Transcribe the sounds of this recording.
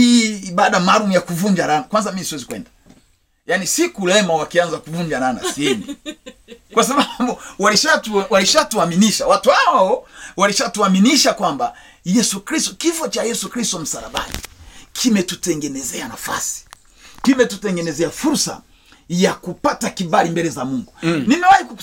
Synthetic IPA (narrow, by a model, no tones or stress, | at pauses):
hiɓaɗamalumjakuvuɲd͡ʒaɾanakwanzamimisiwɛzikwɛ̰nda | janisikulɛmawakianzakuvuɲd͡ʒaɾana̰siɛni | kwasaɓaɓuwaliʃatuwaliʃatuaminiʃawatuhaɔwaliʃatuaminiʃakwamba | jɛsukɾistɔkifɔt͡ʃajɛsukɾistɔm̩saɾaɓa̰nḭkʰimɛtutɛŋɡɛnɛzɛana̰fa̰si̥ | kimɛtutɛŋɡɛnɛzɛafuɾsa̰ | jakupatakiɓalimbɛlɛzamuŋɡunimiwahiku